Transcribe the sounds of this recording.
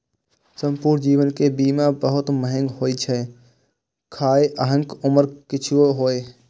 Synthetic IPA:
sə̃mpuːɾnd͡ʒiːʋənkebiːmãbəɦʊt̪məɦə̃ŋɡɦoːit͡ʃʰɛː | kʰaːeʔəɦə̃ŋkʊməɾkɪt͡ʃʰɪoɦoːeː

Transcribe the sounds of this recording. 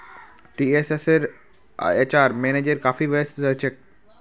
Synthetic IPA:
ʈieseseɾ̰ | et͡ɕaɾmened͡ʑeɾkafiːʋəsɾəɦt͡ɕek̚

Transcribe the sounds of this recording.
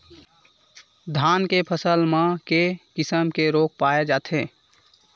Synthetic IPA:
d̪ʱankepʰəsəlmãkekɪsəmkeɾok̚paed͡ʒaːt̪ʰe

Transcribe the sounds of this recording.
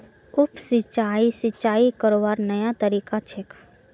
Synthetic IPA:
ʊpsɪt͡ʃaːisɪt͡ʃaːikəɾoʋaːɾnɐjat̪əɾiːkat͡ʃʰekʰ

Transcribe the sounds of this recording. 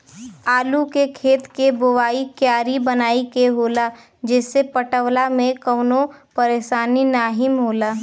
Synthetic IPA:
aːlukekʰeːt̪kebʊʋaːikjaːɾibənaːikeɦoːla | d͡ʒɛːsepəʈəwlamẽkəːnopəɾeːʃaːninaːɦɪmɦoːlaː

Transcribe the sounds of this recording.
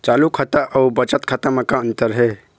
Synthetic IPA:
t͡ʃaːlukʰat̪aʔɐubət͡ʃət̪kʰat̪əmãkaə̃nt̪əɾɦɛ

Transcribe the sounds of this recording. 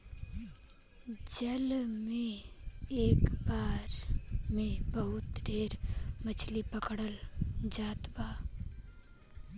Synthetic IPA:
d͡ʒəlmẽ | eːkbaːɾmẽbəɦʊt̪ɖʱeːɾmət͡ʃʰlipəkɽəld͡ʒaːt̪baː

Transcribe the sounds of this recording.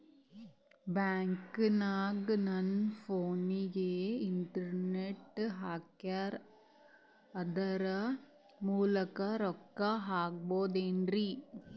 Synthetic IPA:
baːŋknaːɡnɐnfoːnijeːɪɳʈɐɾneʈːɦaːkːaːɾ | ɐd̪ɐɾɐ | muːlɐkaɾɔkːaɦaːk̚boːd̪eːndri

